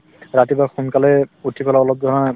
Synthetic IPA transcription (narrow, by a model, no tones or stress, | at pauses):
ɹatibaxunkalɛutʰikɔlaɔlɔb̚dʱɔɾaa